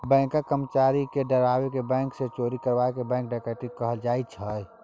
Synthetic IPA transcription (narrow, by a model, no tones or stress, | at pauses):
bɛ̃ːŋkãkəɾmət͡ʃaːɾikeɖəɾaːwekebɛ̃ːŋkset͡ʃoːɾikəɾbaekebɛ̃ːŋk̚ɖaːkeʈikəɦəld͡ʒaːit͡ʃʰəj